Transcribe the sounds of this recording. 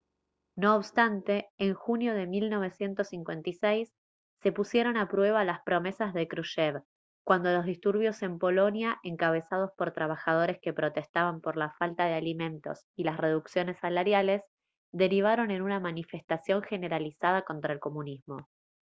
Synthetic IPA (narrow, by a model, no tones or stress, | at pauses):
no̞ːβst̪ant̪e̞ːŋxunjo̞ðe̞milno̞β̞e̞sje̞nt̪o̞sːiŋkwe̞nt̪isejsː | e̞pusje̞ɾo̞napɾwe̞β̞alaspɾo̞me̞sazðekɾuʃeβ | kwand̪o̞lo̞zð̞ist̪uɾβ̞jo̞se̞mpo̞lo̞njaʔe̞ŋkaβ̞e̞sað̞o̞spo̞ɾt̪ɾaβ̞axað̞o̞ɾe̞ske̞pɾo̞t̪e̞st̪aβampo̞ɾlafalt̪aðealimẽ̞nt̪o̞̰s | ilasre̞ðuksjo̞ne̞sːalaɾjale̞s | ðe̞ɾiβ̞aɾo̞ne̞nunamanife̞st̪asjo̞ŋxe̞ne̞ɾalisað̞ako̞nt̪ɾae̞lko̞mũnizmo̞